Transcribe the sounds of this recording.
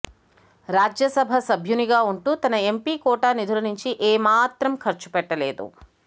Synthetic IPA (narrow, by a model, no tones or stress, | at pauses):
ɾaːd͡ʒjɐsɐbʱɐsɐbʱjuniɡaːuɳʈuːt̪ɐnɐempiːkɔːʈaːnid̪ʱulɐnuɲt͡ʃiʔeːmaːt̪ɾɐmkʰɐɾt͡ʃu̥pɛʈːɐleːd̪ṵ